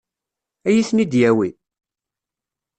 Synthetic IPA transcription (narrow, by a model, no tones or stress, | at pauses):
æjiθnid̪jæwi